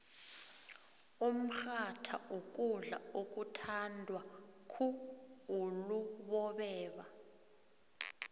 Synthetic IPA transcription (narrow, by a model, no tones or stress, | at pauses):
um̩xatʰaʔok̬ʼuɮa̰ok̬utʰandʱwakʰuuluɓɔɓɛːɓa